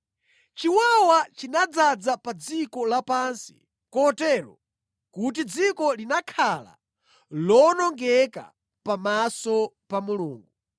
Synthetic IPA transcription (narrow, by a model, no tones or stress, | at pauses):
t͡ʃiwawat͡ʃinad͡zad͡zapad͡zikɔlapansi̥̰ | kɔtɛɾɔ̰ | kut̬id͡zikɔlinakʰala̰ | lɔnɔŋɡɛka̰ | pamasɔ | pamuluːŋɡu